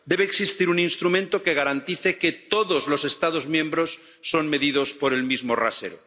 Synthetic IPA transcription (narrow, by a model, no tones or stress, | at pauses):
d̪e̞β̞eːksist̪iɾuninst̪ɾumẽnt̪oke̞ɣ̞aɾant̪iθeket̪oðozlose̞st̪að̞ozmjẽmbɾosː | o̞nme̞ðið̞ospo̞ɾe̞lmizmora̰sḛɾo̰